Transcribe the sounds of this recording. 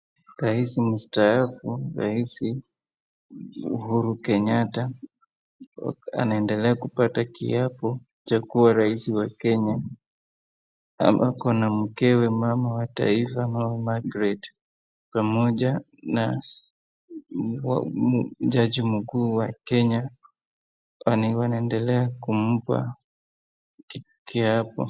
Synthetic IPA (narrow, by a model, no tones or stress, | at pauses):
ɾaisimustaafuɾa̰isi | ṵɦuɾukɛɲata | a̰naɛndɛlɛakupatakḭapɔ | t͡ʃakuwaɾaisiwakɛɲa | a̰mbakɔnam̩kɛwɛmamawata̰ifanawɛmaɡɾɛt | pamɔʄa | na | w̰ | ʄaʄim̩kuːwakɛɲa | awanaɛndɛlɛakum̩pa̰ | ki | kiapɔ̰